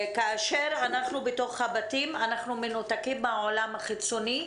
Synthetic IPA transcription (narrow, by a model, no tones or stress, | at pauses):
kaːʃe̞ʁanaχnubeto̞χhabatimanaχnumenotakimbaʕolamhaχit͡soni